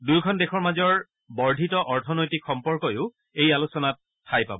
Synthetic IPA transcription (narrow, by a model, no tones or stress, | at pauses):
dujkʰɔndexʰɔɹmazɔɹ | bɔɹdʱitɔʔɔɹtʰɔnojtikxɔmpɔɹkɔjʊʊ | ejalusɔnat̚ʰːajpa̰bɔ